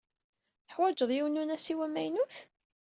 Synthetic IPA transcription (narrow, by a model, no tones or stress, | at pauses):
θəħwæd͡ʒəðˤjiwnunæsiwæmːæjnuθ